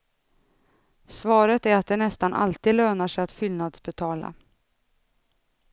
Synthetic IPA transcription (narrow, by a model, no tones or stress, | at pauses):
svɑːɾət̪æɾat̪̚d̪ɛnɛst̪anʔa̰lt̪iːd̪løːnaʂɛjat̪fʏlnad̪sbɛt̪ʰɑːla̰